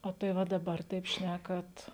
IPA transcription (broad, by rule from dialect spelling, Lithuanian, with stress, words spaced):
oː tɐɪ ˈʋɐ dɐˈbɐr tɐɪp ˈʃʲnʲækɐt